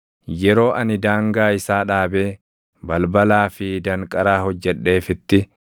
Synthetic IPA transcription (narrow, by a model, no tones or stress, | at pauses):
jɛɾo̞ːʔɐnɪd̪aːŋɡaːɪsaːᶑaːbe̞ː | bɐlbɐlaːfɪd̪ɐŋkʼɐɾaːhɔd͡ʒːɛᶑːe̞ːfɪt̪ːɪ